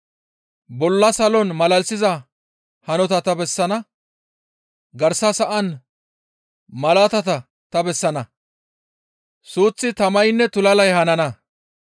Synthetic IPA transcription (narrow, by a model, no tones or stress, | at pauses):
bɔlːɐsɐlɔnmɐlɐlsɪzɐ | hɐnɔt̪ɐt̪ɐbɛsːɐnɐ | ɡɐɾsɐsɐʔɐn | mɐlaːt̪ɐt̪ɐ | t̪ɐbɛsːɐnɐ | suːt͡sːɪt̪ɐmɐjnːɛt̪ʊlɐlɐjhɐnɐnɐ